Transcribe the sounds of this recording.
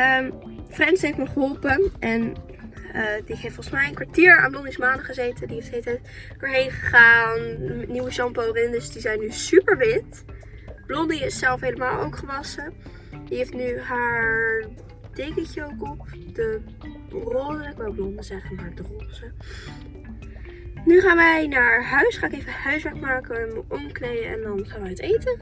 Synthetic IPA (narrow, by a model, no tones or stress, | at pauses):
əmfrɛnsɦejftməχəɦɔlˠpənʔɛn | ədiɦeftfɔlˠχsmɛjənkʋaɹtiːɹa̰ːnblɔnismaːnəχəzejtədiɦeftelətɛt | d̥oːɹɦejnχə̥χaːnmɛtniwəʃɑmpowrɪndəsd̥izɛjnysypəɹʋɪt | b̥lɔndiɪssɛlˠfɦejləmaːlˠo̰wkχəʋɑsə | diɦeftnyɦaːɹɹ | d̥ejkəncəowkɔpd̥ə | rɔdəkʋɛlˠblɔndəzɛχəmaːɹdərɔzə | nyχaːnʋɛjnaɹɦœɥsχaːnɪkejvəhœɥsʋɛɹkmaːkəʋamɔmklejənʔɛ̰ndɑnχaːnʋəətejtə